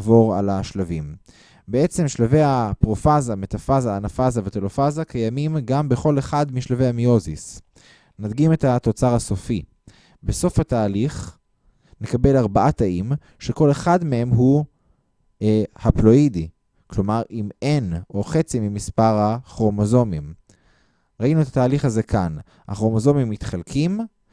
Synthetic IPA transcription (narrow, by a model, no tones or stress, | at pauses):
vo̞ʁa̰laʃlavim | beet͡se̞mʃlave̞japʁo̞fazamet̪afazaːnafazavet̪elofazakajamimɡambeχo̞le̞χad̪miʃlave̞jhamio̞zis | nad̪ɡime̞t̪hat̪o̞t͡saʁaso̞fi | be̞so̞fhataːliχ | ne̞kabe̞laʁbaʔat̪aʔim | ʃeko̞le̞χadmehe̞mɦu | haplo̞idi | klo̞maʁʔimenʔo̞χe̞t͡simimispaʁhaχo̞mozo̞mim | ʁainuet̪at̪aːliχhaze̞kʰan | ha̰χo̞mozo̞mimːit̪χalkʰim